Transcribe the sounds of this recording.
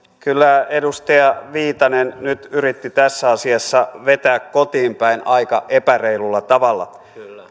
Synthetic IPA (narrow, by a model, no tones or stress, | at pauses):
kylːæedust̪ɑjɑʋiːt̪ɑnennyt̪yrit̪ːit̪æsːæɑsiɑsːɑʋet̪æːkkot̪iːmpæinɑikɑʔepæreilulːɑt̪ɑʋɑlːɑ̰